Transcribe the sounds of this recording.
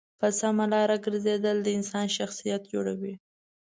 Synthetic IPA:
pəsamalɑɾaɡəɾzed̪əld̪əɪnsɑnʃaxsijat̪̚d͡ʒoɽa̰wi

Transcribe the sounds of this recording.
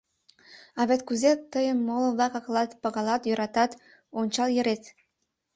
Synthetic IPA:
ɑβet̪kuzet̪əjəmːoləβlɑkɑklɑt̪pɑɣɑlɑt̪jøɾɑt̪ɑt̪ | onʲt͡ɕɑljə̆ɾet̪

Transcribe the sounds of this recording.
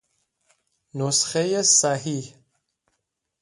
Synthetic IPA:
nosxejesaɦih

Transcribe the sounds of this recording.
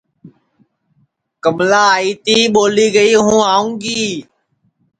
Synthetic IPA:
kəmlaːiːt̪iːɓoːliːɡəiːɦũːaːũːŋɡiː

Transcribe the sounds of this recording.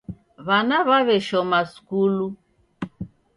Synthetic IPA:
βanaβaβɛʃɔmaskulu

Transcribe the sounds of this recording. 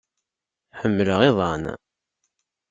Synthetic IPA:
ħəmːələʁɪðˤɑn

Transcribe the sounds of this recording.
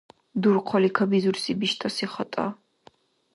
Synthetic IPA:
d̪uɾqʰɔlikʰabizuɾsibiʃt̪ʼasiχɔt̪ʼa̰

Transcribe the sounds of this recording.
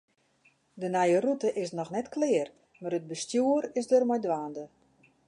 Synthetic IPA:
dənajərutəʔɪsnɔxnɛtklɪər | marəd̚bəstjuəɾɪsdərmɔjdʋaːndə

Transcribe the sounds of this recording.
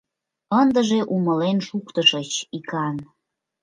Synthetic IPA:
ənd̪əʒeʔuməlenʃukt̪əʃət͡ɕikɑn

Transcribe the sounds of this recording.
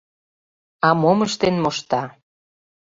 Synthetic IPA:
ɑmoməʃt̪enmoʃt̪ɑ

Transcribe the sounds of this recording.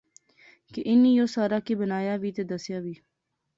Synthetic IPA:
keʔɪnːiːjoːsaːɾaːkiːbənaːjaːʋiːt̪ed̪əsjaːʋiː

